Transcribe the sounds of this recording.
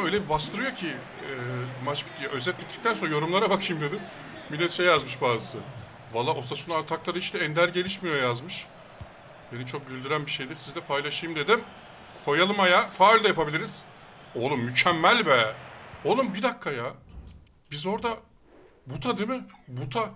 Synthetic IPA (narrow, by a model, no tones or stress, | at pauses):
ø̞jlʲebibast̪ʰɯɾɯjo̞cʰi | ɛmat͡ʃbijaø̞zɛt̪lʲitt̪ʰːi̥c̚t̪ænsonajo̞ɾumlˠaɾabakʃimd̪ed̪im | milʲːɛt̪ʃɛjazmɯʃbaːzɯsɯ | valˠːaʔo̞sasunaɾt̪ʰaklˠaɾɯit͡ʃt̪ɛɛnd̪æɾɟe̞lʲiʃmijojazmɯʃ | b̥enit͡ʃʰo̞k̚ɟylʲd̪yɾænbiʃe̞jd̪ɛsizd̪ɛpʰajlˠaʃɯjɯmd̪e̞d̪im | kʰo̞jalˠɯmajafaːilʲd̪ajapabilʲiɾiz̥o̞lˠumːycʰɛmːælʲbɛo̞lˠumbid̪akʰːajaː | bizo̞ɾd̪a | but̪ʰad̪emɪbut̪ʰa